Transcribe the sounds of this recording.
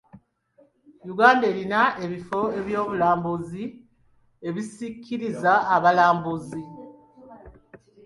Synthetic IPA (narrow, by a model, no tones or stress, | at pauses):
juɡaːnde̞linae̞βifo̞e̞βjo̞ːβulaːmbuzi | e̞βisikʰːiɾizaːβalaːmbuzi